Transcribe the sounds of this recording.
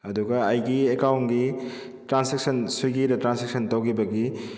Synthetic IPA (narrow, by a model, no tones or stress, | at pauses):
ɐduɡɐɐjɡiekawnɡi | tɾansek̚sɐnsuɡiɾɐtɾanseksʰɐntowkʰibɐɡi